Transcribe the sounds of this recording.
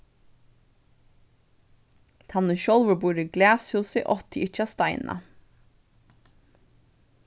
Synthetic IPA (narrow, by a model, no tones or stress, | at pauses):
t̪ʰɑnəʃɔlʋəbuːɾiɡlæːshʉːsɪʔɔt̪ʰɪʔɪt͡ʃɑst̪ɑɪnʔɑ̰